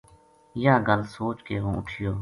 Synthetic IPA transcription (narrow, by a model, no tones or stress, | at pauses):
jãːɡəlsoːt͡ʃkeːɦõːʊ̰ʈʰɪjoː